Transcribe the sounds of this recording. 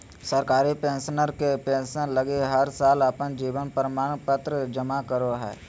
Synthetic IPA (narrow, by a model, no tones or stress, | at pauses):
səɾkaːɾipẽːnʃnəɾkepẽːnʃənləɡiɦəɾsaːləpənd͡ʒiːʋənpəɾəmaːñpət̪ɾəd͡ʒəmakəɾoɦɛ̰ː